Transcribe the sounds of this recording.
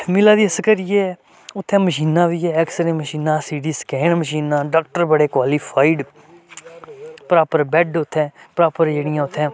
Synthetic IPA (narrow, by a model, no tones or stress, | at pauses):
mɪlaːd̪iːəsəkəɾiːɛː | ʊt̪ʰːɛ̃ːməʃiːnːãːʋiːɛːɛksəɾẽːməʃiːnãːsiːɖiːskɛːɳməʃiːnaːɖaːk̚ʈəɾbəɽeːkwaːliːpʰaːɪɖ | pəɾaːpəɾbɛɖʊt̪ʰːɛ̃ːpɾaːpəɾd͡ʒeːɽɪjãːʊt̪ʰːɛ̃ː